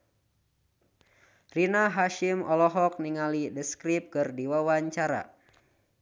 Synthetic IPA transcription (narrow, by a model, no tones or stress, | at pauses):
rinaɦaʃimʔɔlɔɦɔk̚niŋalidəskɾip̚kɨrdiwawaɲt͡ʃaɾa̰